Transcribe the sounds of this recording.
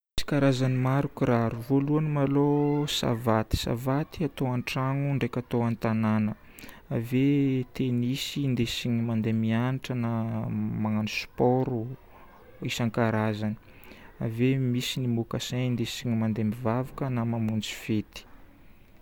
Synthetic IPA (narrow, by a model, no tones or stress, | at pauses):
isi̥kaɾazanimaɾukuɾaɾuvoluanimalosa̰vat̪i̥sa̰vat̪iat̪oaɳʈ͡ʂaŋuɳɖ͡ʐekʲat̪oant̪ananə | avet̪enisind̪esiɲimand̪emianiʈ͡ʂənamaŋanuspɔɾu | isaŋkaɾazani̥ | a̰vemisinimukasannd̪esiɲimand̪emivavakənamamund͡zi̥fet̪i̥